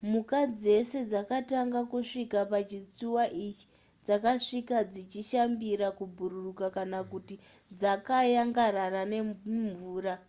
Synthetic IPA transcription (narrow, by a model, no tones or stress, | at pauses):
mukad͡ze̞se̞d͡zakataŋɡakuʂikapat͡ʃit͡suwaʔit͡ʃi̥ | d͡zakaʂikad͡zit͡ʃiʃambiɾakubʱuɾurukakanakuti | d͡zakajaŋɡaɾarane̞ɱɱvuːɾa